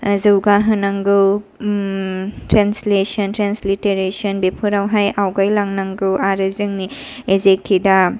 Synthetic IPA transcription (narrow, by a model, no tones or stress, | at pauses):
ɐzɯwɡaɦɯnaŋɡɯw | tɾenslesɐntɾensliteɾesɔnbepʰuɾawɦajawɡajlaŋnaŋɡɯwaɾɯzɯŋni | ezekʰːida